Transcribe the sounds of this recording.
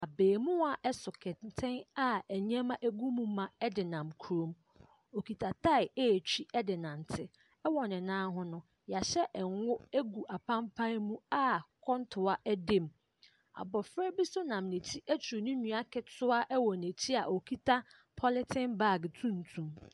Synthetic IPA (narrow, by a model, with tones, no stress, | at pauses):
a˨beː˨mũ˦a˨ʔɛ˦sʊ˨kʰɛ˨tʰɪ̃˦na˨ɛ˨ɲ˦ɛ̃˦mã˦ʔe˦ɡu˦mũ˦mã˨ɛ˦dɪ˨nã˨mkʰu˨ɾõ˨m | o˨kʰi˨tʰa˨tʰa˦ɪ˨e˦˨t͡ɕʰᶣi˦ɛ˦dɪ˨nã˨n˨tʰɪ˦ | ɛ˦wɔ˨nɪ̃˨nãː˦ɦʊ̃˦nʊ̃˦ | ja˨ɕɛ˦ʔɛ˨ŋ˦wʊ˦e˦ɡu˨ʔa˨pʰã˦mpʰã˦mũ˦a˦kʰɔ̃˦ntʰʊ˨a˦ʔɛ˦dẽ˦˨m | a̰˨bɔ˨fɾɛ˦bi˦sʊ˦nã˨mnẽ˨tʰi˦ʔæ˦tʰu˨nʊ̃˦nũ˨a˦kʰɛ˨tʰʊ˦a˦ʔɛ˦wɔ˨ne˨tʰi˦a˨ʔo˨kʰi˦tʰa˦ | pʰɔ˦lɪ˦tʰɪ̃˦nba˦˨ɡtʰũ˦n̩˨tʰũ˨m